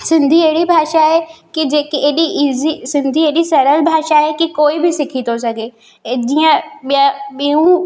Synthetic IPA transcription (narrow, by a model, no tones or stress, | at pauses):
sɪ̃nd̪ʱieɦɪɽibʱaːʃaɦekid͡ʑeːkeeːɗiʔizisɪ̃nd̪ʱieːɗisɐɾəlbʱaːʃaɦekikoːibɪsɪkʰit̪ʰos̬ɐɡʱe | d͡ʑiːə̃ɓjaɓiũ